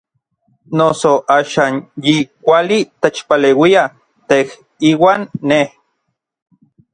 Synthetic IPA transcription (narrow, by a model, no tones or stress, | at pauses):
nosoʔaːʃaːnjikʷalit̪et͡ʃpaleːwia | t̪eh | iːwaːnːeh